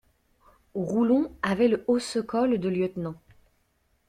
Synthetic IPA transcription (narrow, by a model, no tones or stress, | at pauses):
ʁulɔ̃avɛləosəkɔld̪əljœt̪nɑ̃